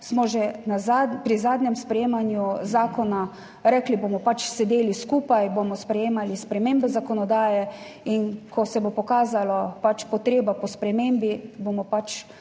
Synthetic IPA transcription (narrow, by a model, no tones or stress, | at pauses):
smɔʒɛnazapɾizaːd̪nʲɛmspɾɛjeːmanjuzaːkɔna | ɾɛːklibomɔpat͡ʃsɛd̪eːliskuːpajbomɔspɾɛjeːmalispɾɛmembɛzakɔnɔd̪aːjɛ | inkʰɔsɛbopɔkaːzalɔpat͡ʃpɔt̪ɾeːbapɔspɾɛmembibomɔpat͡ʃ